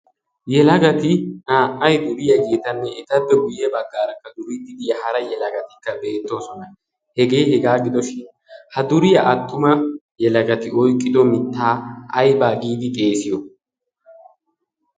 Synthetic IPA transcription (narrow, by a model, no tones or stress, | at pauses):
jɛlɐɡɐt̪ɪnaːʔɐjd̪ʊɾɪjɐɡeːt̪ɐnːɛɛt̪ɐbːɛɡʊjɛbɐɡːaːɾɐkːɐd̪ʊɾiːd̪ɪd̪ɪjɐhɐɾɐjɛlɐɡɐt̪ɪkːɐbe̞ːt̪ːo̞ːsɔnɐ | hɛɡe̞ːhɛɡaːɡɪd̪ɔʃɪn | hɐd̪ʊɾɪjɐʔɐt̪ːʊmɐ | jɛlɐɡɐt̪ɪɔjkʼːɪd̪ɔmɪt̪ːaːɐjbaːɡiːd̪ɪɡe̞ːsɪjɔ